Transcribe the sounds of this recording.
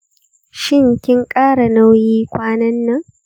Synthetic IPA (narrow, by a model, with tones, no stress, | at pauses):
ʃɪ˦ŋkʲɪ˦ŋkʼaː˦ɽa˨na˦wjiː˦kʷaː˦nɐ˦nːɐ˦ŋ